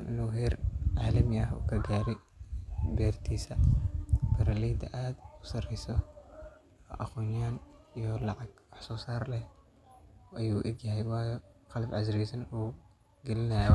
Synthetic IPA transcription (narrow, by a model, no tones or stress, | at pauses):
nʔɪ̰nuːɦɛːrʕaːlɐmɐɦṵːkʰɐɡaːɾɛ | bɛːrt̪ʰiːsɐ | bɐɾalɛːd̪ɐ̰ʔaːd̪ʊsɐrɛjsɔ | ʔɐqɔːnaːnijɔlɑʕɑɡwɑħsɔːsaːrlɛh | ʔɐjuːʔɪɡjɐɦɛjwɑːjɔqɑlɐbʕɑsɾɛːsɐnuː | ɡ̥ɛlɪnɐj